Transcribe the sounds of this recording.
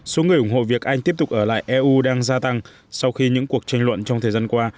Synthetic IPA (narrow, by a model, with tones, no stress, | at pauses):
so˨˦ŋɨ˨˩əjʔʊ˧˩ŋ͡mho̰˧˨vi˨˩ək̚ʔa˧jŋ̟t̪i˦˥əp̚t̪ʊ˨˩k̚ʔəː˧˩la̰ː˧˨jʔɛ˧ʔu˧ɗaː˧ŋzaː˧t̪a˧ŋ | sa˧wxi˧ɲɨ̰˧˥ŋku˨˩ək̚t͡ɕa˧jŋ̟lwə̰˧˨nt͡ɕɔ˧wŋ͡mt̪ʰəː˨˩zaː˧nkwaː˧